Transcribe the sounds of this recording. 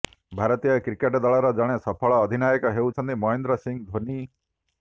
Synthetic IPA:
bʱaɾɔt̪ijakɾikeʈd̪aɭɔɾɔd͡ʒaɽ̃esɔpʰɔɭɔːd̪ʱinajɔkɔɦewt͡ʃʰɔnt̪imɔend̪ɾɔsiŋd̪ʱoni

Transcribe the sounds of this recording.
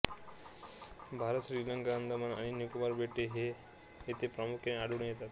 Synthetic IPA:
bʱaɾət̪ɕɾiləŋkaənd̪əmana̰ɽ̃injukmaɾbeʈeɦeː | t̪ʰepɾəmukʰjeneaɽuɳejet̪at̪

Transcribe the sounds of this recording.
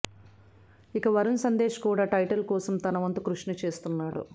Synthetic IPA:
ikɐʋɐɾunsɐnd̪e̞ːʂɐ̥kuːɽaːʈɐjʈɐlkɔːsɐmt̪ɐnɐʋɐnt̪ukɾuʂnɐt͡ʃe̞ːst̪unːaːɽṵ

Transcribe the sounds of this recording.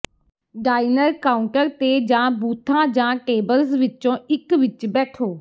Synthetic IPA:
ɖaːinəɾkaːʊ̃ɳʈəɾt̪eːd͡ʒãːbuːt̪ʰːãːd͡ʒãːʈeːbəlsʋɪt͡ʃõːɪkʋɪt͡ʃbɛːʈʰoː

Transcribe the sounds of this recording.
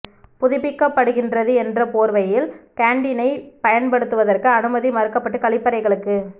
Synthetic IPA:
pʊðɪpːɪkːɐpːɐɽɯɣɪndrɐðɯɛndrɐpoːɾʋɐjɪlkaːɳɖɪnɐɪpɐjɐnpɐɽɯt̪ːɯʋɐðɐrkɯɐnɯmɐðimɐɾɯkːɐpːɐʈːɯkɐɭɪpːɐɾɐɪɣɐɭɯkːɯ

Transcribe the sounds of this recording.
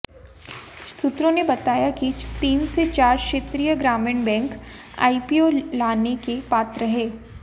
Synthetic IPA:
sʊt̪ɾõnebɐt̪aːjakit̪iːnset͡ʃaːɾʃeːt̪ɾijəɡɾaːmɪɳbɛ̃ːŋk | a̰ːipiolaːnekepaːt̪ɾəɦeː

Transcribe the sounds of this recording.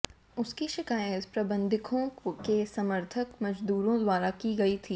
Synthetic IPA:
ʊskiʃɪkaːjət̪pɾɐbə̃nd̪ʱɪkʰõkesɐməɾt̪ʰəkmɐd͡ʒd̪uːɾõd̪waːɾakiɡɐit̪ʰiː

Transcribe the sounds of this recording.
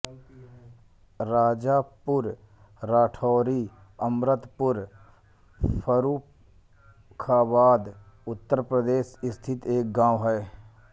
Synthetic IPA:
ɾaːd͡ʒaːpʊɾ | ɾaːʈʰɔːɾiː | əmɾət̪pʊɾ | pʰəɾuː | kʰaːbaːd̪ | ʊt̪ːəɾpɾəd̪eːʃɪst̪ʰɪt̪eːk̚ɡãːwɦɛː

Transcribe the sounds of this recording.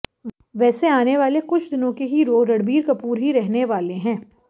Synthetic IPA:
ʋɛːseaːneʋaːlekʊt͡ʃʰd̪ɪnõkeɦiɾoːɾɐɽbiːɾkɐpuːɾɦiɾɛɦneʋaːleɦɛ̃ː

